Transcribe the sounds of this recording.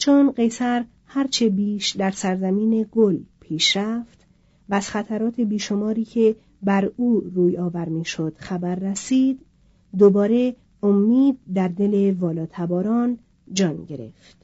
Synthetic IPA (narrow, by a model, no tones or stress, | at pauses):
t͡ʃʰonɢe̞sæɾ | hæɾt͡ʃʰe̞biːʃd̪æɾsæɾzæmiːne̞ɡolpʰiːʃɾæft̪ | væz̥xæt̪ʰæɾɒːt̪ʰebiːʃo̞mɒːɾiːcʰe̞ | bæɾuːruːjɒːvæɾmiːʃo̞d̪̥xæbæɾːesiːd̪ː | obɒːɾe̞ | omːiːd̪̚ːæɾd̪e̞le̞vɒːlɒːt̪ʰæbɒːɾɒːn | d͡ʒɒːnɟe̞ɾe̞̰ft̪